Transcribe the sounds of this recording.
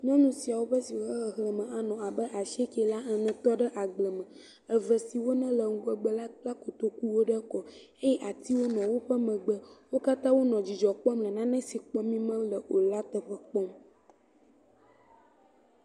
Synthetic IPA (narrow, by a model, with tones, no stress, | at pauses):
ɲɔ̃˦nũ˦si˨a˨wo˦ɸə˦si˨wɦə˨ɦlə˨mə̃˨a˨nɔ̃˨a˨bə˦ʔa˨ʃi˦e˦kɛ˨la˦ə˨nɛ̃˨t̪ɔ˦ɖə˦ʔa˨ɡ͡blə˨mə̃˨ | ə˨və˨si˨wo˦nɛ̃˦lə˨ŋ̩˨ɡɔ˦ɡ͡bə˦la˦k͡pla˦ko˨t̪o˦ku˦wo˦ɖə˦kɔ˨ | e˦jɛ˦ʔa˨t̪i˦wo˦nɔ̃˨wo˦ɸə˦mə̃˨ɡ͡bə˦wo˦ka˦t̪ã˦wo˦nɔ̃˨d͡ʑi˨d͡ʒɔ˨k͡pɔ˦mlə̃˨nã˦nɛ̃˦si˨k͡pɔ˦mĩ˦mə̃˦lə˨ʔo˨la˦t̪ə˨ɸə˦k͡pɔ˦m